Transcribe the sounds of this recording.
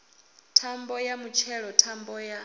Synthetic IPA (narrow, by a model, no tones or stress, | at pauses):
tʰambɔjamut͡ʃʰɛɺɔtʰambɔja